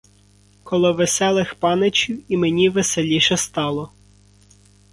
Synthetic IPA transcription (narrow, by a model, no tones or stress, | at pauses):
kɔlˠɔʋesɛlˠɪxpɑnet͡ʃʲiwimenʲiʋeselʲiʃɛst̪ɑlˠɔ